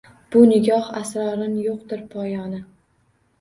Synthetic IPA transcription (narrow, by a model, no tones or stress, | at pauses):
b̥ʊnɪɡʲɒhasɾɒɾɪnjoq̚d̪ɪɾpʰɒjɒnɪ